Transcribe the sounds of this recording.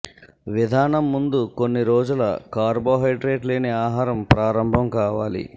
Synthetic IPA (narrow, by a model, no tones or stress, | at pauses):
ʋid̪ʱaːnɐmːund̪uko̞nːiɾoːd͡ʒulɐ̰kaːɾboːɦɐjʈɾeːʈleːneaːɦaːɾɐmpɾaːɾɐmbʱɐmkaːʋaːlḭ